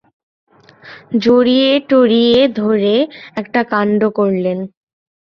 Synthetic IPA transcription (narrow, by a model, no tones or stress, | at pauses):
d͡ʑoɾijeʈoɾied̪ʱoɾeɛkʈakaɳɖokoɾlen